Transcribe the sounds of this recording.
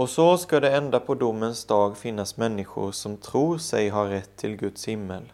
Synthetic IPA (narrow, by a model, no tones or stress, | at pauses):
ʔɔsɔskad̪ɛɛnd̪apʰɔd̪ʊmːənsd̪ɑːɡfɪnːasmɛnːɪɧʊ̰ɾsɔmt̪ʰɾuːɾsɛjɦaɾɾɛt̪ʰːɪlɡɵt̪shɪmːəl